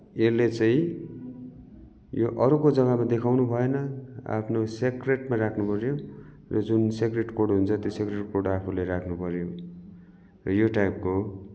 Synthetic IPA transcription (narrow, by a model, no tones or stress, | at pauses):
elːet͡saĩ | joʔʌɾukod͡zʌɡʌmad̪ekʰawnubʱʌenʌa̰pʰnosekreʈmaɾakʰnupʌɾjo | rʌd͡zunsekreʈkoɽɦunt͡sʰʌt̪josekreʈkorɽapʰuleɾakʰnupʌɾjo | rʌjoʈajp̚ko